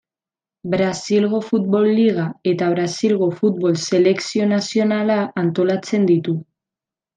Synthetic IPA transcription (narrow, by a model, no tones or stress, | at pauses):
bɾasilɣ̞o̞fut̪̚βo̞lːiɣae̞t̪aβ̞ɾasilɣo̞fut̪̚βo̞lse̞le̞ksio̞nasio̞nalaːnt̪o̞lat͡se̞nd̪it̪u